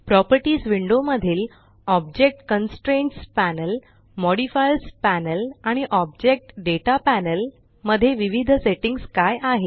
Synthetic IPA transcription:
pɾɔpəɾʈiːsʋiɳɖoməd̪ʱiːl | ɔb̚d͡ʑek̚ʈkənsʈɾenʈspænəl | mɔɽifajlspænəlaɽ̃iʔɔb̚d͡ʑek̚ʈɖeʈapænəl | məd̪ʱːjeʋiʋid̪ʱseʈiŋɡskajʔaɦe

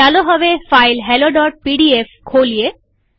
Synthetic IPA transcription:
aloɦɔβefajlɦɛloɖɔʈ̚piɖiefkʰolie

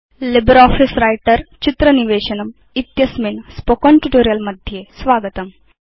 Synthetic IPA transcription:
libɾɔːfisɾaːjʈɐɾt͡ʃit̪ɾɐniʋeːʃɐnɐm | it̪jɐsminspokonʈuʈoːɾijɐlmɐd̪ʱjeːsʋaːɡɐt̪ɐm

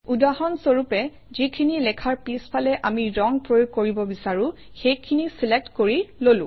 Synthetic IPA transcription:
udahɔnsoɹupɛ | zikʰinilɛkʰaɹpispʰalɛʔamiɹɔŋpɹojoɡ̚koɹibɔbisaɹʊ̃ | xejkʰinisilek̚tkoɹilolʊ̰̃

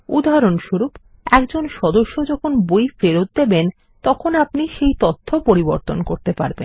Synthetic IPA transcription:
ṵd̪aɾonʃuɾup | ɛkd͡ʑonʃɔd̪oʃːod͡ʑɔkʰonbojfeɾot̪̚d̪eben | t̪ɔkʰonapniʃejt̪ot̪ʰːopoɾiboɾt̪onkoɾt̪epa̰ɾbḛn

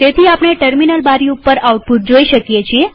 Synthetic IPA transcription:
t̪et̪ʰiapɽ̃eʈəɾminəlbaɾiupːəɾawuʈ̚put̪̚d͡ʒoiʃəkjet͡ʃʰie

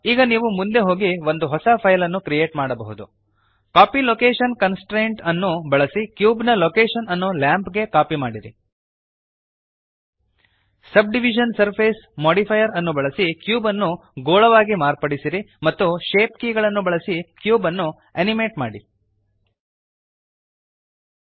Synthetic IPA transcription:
iːɡɐniːʋumund̪e̞ɦo̞ːɡiʋo̞nd̪uɦɔsɐpʰɐjlɐnːukɾije̞ːʈmaːɽɐbɐɦud̪u | kaːpiloːkeːʂɐnkɐnsʈɾeːɳʈɐnːubɐɭɐsikjuːbnɐloːkeːʃɐnɐnːolaːmpɡe̞kaːpimaːɽiɾḭ | sɐb̚ɖiʋid͡ʒɐnsɐɾpʰeːsmoːɽipʰɐjɐɾɐnːubɐɭɐsikjuːbɐnːu | ɡoːɭɐʋaːɡimaːɾpɐɽisiɾimɐt̪ːuʃeːp̚kiːɡɐɭɐnːubɐɭɐsikjuːbɐnːu | ɐnime̞ːʈmaːɽi

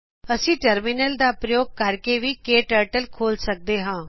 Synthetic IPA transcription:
əsĩːʈəɾmɪnəld̪aːpɾəjoːɡ̚kəɾkeːʋiːkeːʈəːʈəlkʰoːlsək̚d̪eːɦãː

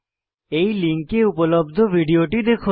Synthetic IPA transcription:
ejliŋkeupolobd̪ʱobʱiɖioʈid̪ekʰo

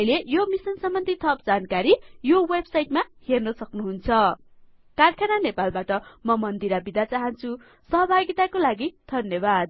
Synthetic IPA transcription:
ʌjlejomisʌnsʌmːʌnt̪it̪ʰʌp̚d͡zankaɾijowebsajʈmahernʌsʌknuɦunt͡sʰʌ | karkʰananepalbaʈʌmʌmʌnd̪iɾabid̪at͡saɦʌnt͡sʰu | sʌɦʌbʱaɡit̪akolaɡid̪ʱʌnjʌbad̪̚

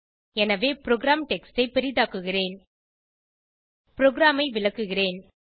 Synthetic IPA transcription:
ɛnɐʋeːpɪɾoːɡɾaːmʈɛkstɐɪpɛɾɪðaːkɯɣɪreːn | pɪɾoːɡɾaːmɐɪʋɪɭɐkːɯɣɪreːn

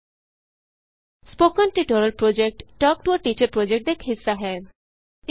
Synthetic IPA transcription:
spokɔnʈiʈoɾəlpɾod͡ʒek̚ʈʈɔk̚ʈuɔɾʈit͡ʃəɾpɾod͡ʒek̚ʈ̚d̪ekʰɦisːaɦɛː

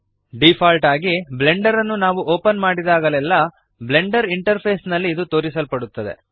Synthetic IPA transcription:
ɖipʰaːlʈaːɡible̞ɳɖɐɾɐnːunaːʋuʔoːpɐnmaːɽid̪aːɡɐlɛlːɐ | ble̞ɳɖɐɾiɳʈɐɾpʰeːsnɐlːiːd̪ut̪o̞ːɾisɐlpɐɽut̪ːɐd̪e̞̰

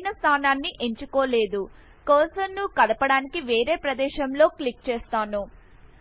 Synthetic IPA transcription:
nɐst̪ʰaːnaːnːiʔeɲt͡ʃukoːle̞ːd̪u | koːsɐnːukɐd̪ɐpɐɽaːnikiʋeːɾeːpɾɐd̪ɛːʃɐmlo̞ːklik̚t͡ʃɛːst̪aːnu

